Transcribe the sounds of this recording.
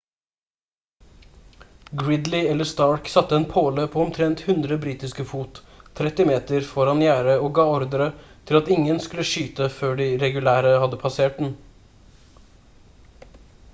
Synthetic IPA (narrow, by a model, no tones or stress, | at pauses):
ɡɹɪd̪lɪɛlːəst̪ɑːɹksɑt̪ːəɛːnpʰoːləpʰoːɔmt̪ʰɾɛnt̪hʉnd̪ɾəbɾiːt̪ɪskəfuːt̪ʰːɾɛt̪ɪmeːt̪əɾfɔɾɑnjæːɾəoːɡɑːɔɾd̪əɾət̪ʰɪlɑt̪ɪŋənskʉləʃyːt̪əføːɖiɾɛɡʉlæːɾəhɑd̪ːəpʰɑseːʈ̚d̪n̩